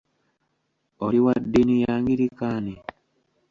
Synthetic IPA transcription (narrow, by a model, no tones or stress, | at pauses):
ɔɾiwadinijaŋɡiɾikani